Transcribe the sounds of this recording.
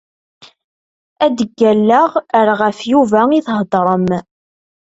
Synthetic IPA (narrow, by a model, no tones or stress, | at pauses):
æd̪əɡːælːəʁəɾʁəfjuvæiθɦd̪ˤɾˤəm